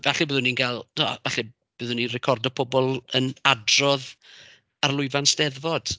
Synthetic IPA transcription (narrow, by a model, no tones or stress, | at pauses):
vɛɬɨbəːðʊninɡalˠtʰua̰vɛɬɨ | b̥əðʊninrɛkʰɔrdɔpʰɔbɔlˠənadrɔð | arlˠʊɨvansd̥ɛðvɔd̥